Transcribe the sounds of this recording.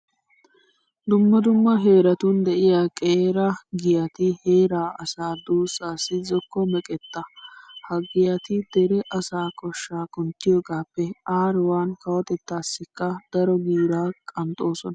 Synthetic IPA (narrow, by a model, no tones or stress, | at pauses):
d̪ʊmːɐd̪ʊmːɐɦe̞ːɾɐt̪ʊnd̪ɛʔɪjaːkʼeːɾɐɡɪjɐt̪ɪhe̞ːɾaːʔɐsaːd̪uːsaːsːɪzɔkːɔmɛkʼɛt̪ːɐhɐɡɪjɐt̪ɪd̪̥ɛɾɛʔɐsaːkɔʃːaːkʊnt̪ːɪjo̞ːɡaːpːɛaːɾwaːnkɐwɔt̪ɛt̪ːaːsːɪkːɐd̪̥ɐɾɔɡiːɾaːkʼɐnt̪ʼo̞ːsɔnɐ